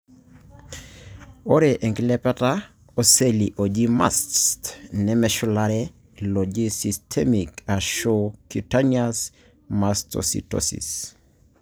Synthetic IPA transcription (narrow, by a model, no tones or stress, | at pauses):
oɾɛʔeŋɡlɛpɛta | oseliʔod͡ʒima̰sstnɛmɛʃulaɾɛ | lod͡ʒisistʰɛmikaʃokutanias | mastʰo̰sḭto̰sḭs